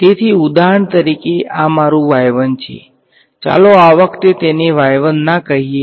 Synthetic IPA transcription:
t̪et̪ʰiud̪aɦəɳt̪əɾikeʔamaɾũʋajʋənt͡ʃʰḛ | t͡ʃa̰loaʋəkt̪et̪eneʋajʋənːakəɦie

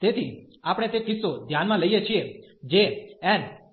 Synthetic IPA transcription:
t̪et̪ʰi | apɽ̃et̪ekɪsːod̪ʱjanmãləijet͡ʃʰied͡ʒeɛn

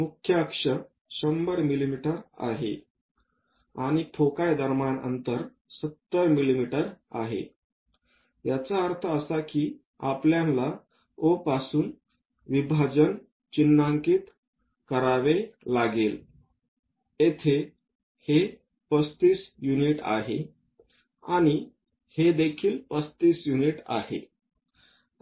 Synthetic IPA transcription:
mukʰːjəkʂə | ɕəmbəɾmilimiʈəɾa̰ɦḛ | aɽ̃ipʰokajd̪ʱəɾmanə̰nt̪əɾ | sət̪ːəɾmilimiʈəɾa̰ɦḛ | jat͡saəɾt̪ʰəəsakiː | apljãnla | opasuːn | ʋibʱad͡zən | t͡ɕinːaŋkiːt̪ | kəɾaʋelaɡel | et̪ʰe | he | pəst̪iːsjuniʈa̰ɦe | aɽ̃i | hed̪ekʰiːlpəst̪iːsjuniʈa̰hḛ

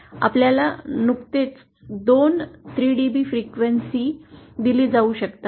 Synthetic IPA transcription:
a̰pljalanukt̪et͡s | d̪ont̪ʰɾiːɖibiːfɾikʋənsiːd̪iliːd͡zauːɕəkt̪a

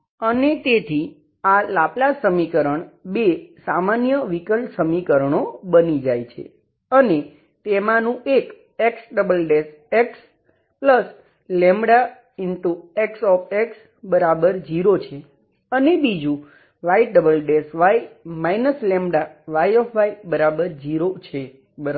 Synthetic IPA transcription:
ənet̪et̪ʰi | alaplasəmikəɾəɳbesamanjəʋikəlsəmikəɾəɳobənid͡ʒajt͡ʃʰḛ | əne | t̪emãnũʔek | eksɖəbəlɖes | eks | pləs | lɛ̃mbɽa | inʈ̪ueksɔpʰeks | bəɾabəɾd͡ʒiɾot͡ʃʰe | ənebid͡ʒũ | ʋajɖəbəlɖesʋajmajnəslɛ̃mɽaʋajɔfʰʋajbəɾabəɾd͡ʒiɾot͡ʃʰe | bəɾ

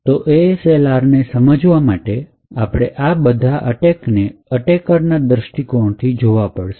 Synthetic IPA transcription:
t̪oʔeselaɾnesəməd͡ʒʋamaʈe | apɽ̃eʔabəd̪ʱaʔəʈekneəʈekəɾnad̪ɾəʃʈikoɳt̪ʰid͡ʒoʋapəɽʃe

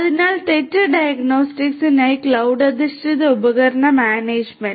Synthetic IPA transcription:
ɐðinaːlʈ̪eʈːɐɖɐjɐɡnoːsʈiksinɐjklɐwɖɐd̪isʈiðʊbɐɣɐɾɐɳɐmaːneːd͡ʒmeɳ

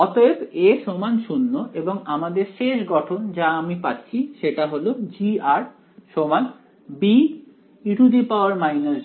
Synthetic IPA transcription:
ɔt̪oekeʃomanʃunːoʔeboŋamad̪eɾʃeʃɡɔʈʰond͡ʑaamipatːɕʰiʃeʈaɦolod͡ʑiaɾ | ʃoman | bi | iʈud̪ipaoaɾmajna

